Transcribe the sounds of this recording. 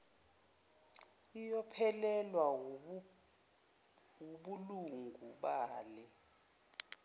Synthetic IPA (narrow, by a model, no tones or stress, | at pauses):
ijɔpʰɛlɛlwa | wuɓuluŋɡʱuɓaːlɛ